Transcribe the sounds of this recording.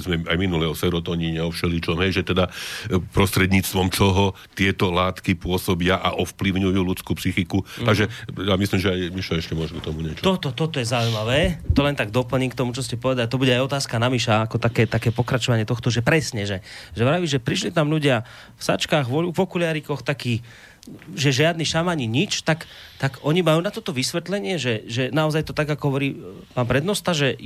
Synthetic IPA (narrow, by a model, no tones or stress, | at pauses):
zmɛajminulɛɦɔsɛɾɔt̪ɔɲiɲɛɔfʃɛlit͡ʃɔmɦɛjʒɛt̪ɛd̪apɾɔst̪ɾɛd̪ɲiːt͡st̪ʋɔmt͡ʃɔɦɔ | t̪ɪɛt̪ɔlaːt̪kipʊɔsɔbɪaʔaʔɔfpliʊɲujuːlut͡skuːpsixikut̪aɡʒɛjamislimʒɛajmiʃlaɛʃcɛmʊɔʒɔkt̪ɔmuɲɛt͡ʃɔt̪ɔt̪ɔt̪ɔt̪ɔjɛzaujmaʋɛːt̪ɔlɛnt̪aɡd̪ɔpl̩ɲiːkt̪ɔmut͡ʃɔscɛpɔʋɛd̪alit̪ɔbuɟɛajɔt̪aːskanamiʃaakɔt̪akɛːt̪akɛːpɔkɾat͡ʃɔʋaɲɪɛt̪ɔxt̪ɔʒɛpɾɛsɲɛʒɛʒɛʋɾaʋiʒɛpɾiʃ̬lit̪amʎuɟɪa | fsa̰t͡ʃkaːɣʋɔʎupɔkulɪaɾikɔxt̪akiː | ʒɛʒɪad̪niʃamaɲiɲit͡ʃt̪ak | t̪aɡɔɲimajuːnat̪ɔt̪ɔʋisʋɛt̪lɛɲɪɛʒɛʒɛnaɔzajt̪ɔt̪aɡakɔɦɔʋɔɾiːpaːnpɾɛd̪nɔst̪aʒɛ